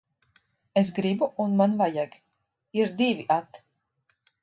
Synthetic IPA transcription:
es̬ɡɾibuunmanvajaɡ | iɾd̪iviʔat̪

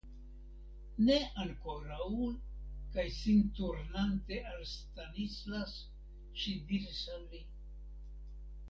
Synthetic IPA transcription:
ne̞aŋko̞ɾaw | kajsintuɾnante̞ʔalst̪anislas | ʃidiɾisalːi

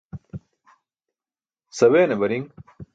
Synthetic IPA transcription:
sɐweːnɐbɐɾiŋ

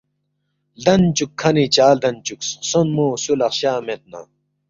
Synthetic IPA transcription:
ld̪ɐnt͡ɕukʰːɐnit͡ɕaːld̪ɐnt͡ɕukssonmoːsulɐχɕaːmet̪̚na̰ː

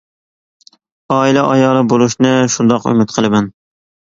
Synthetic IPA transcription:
ɑːilæʔɑjɑːlˠɪbolˠʊʃnɪʃʊnd̪ɑqʊ̰mɪt̪qʰɨlˠɪmæn

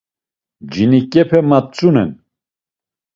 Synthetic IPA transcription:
d͡ʒinikʼɛpʰɛmat̪̚t͡sʼunɛ̰n

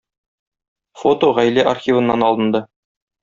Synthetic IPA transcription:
fo̞t̪oʁæjlæʔarxʲivɤ̆nːɑnɒlˠɤ̆nd̪ɤ

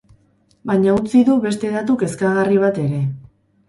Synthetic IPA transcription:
baɲaut͡siðuβe̞st̪e̞ðat̪uke̞skaɣariβ̞at̪e̞ɾe̞

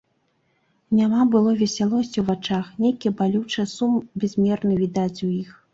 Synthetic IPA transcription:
nʲamabɨlˠɔvʲɛsʲalˠɔsʲt͡sʲiwvat͡ʂaxnʲejkʲibalʲut͡ʂɐsumbʲɛzʲmʲɛrnɨvʲid̪at͡sʲujix

